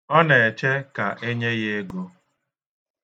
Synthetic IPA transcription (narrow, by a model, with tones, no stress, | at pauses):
ɔ˦ne˨e˨t͡ʃe˦ka˨ʔe˦ɲe˦ɣe˦ɡo˦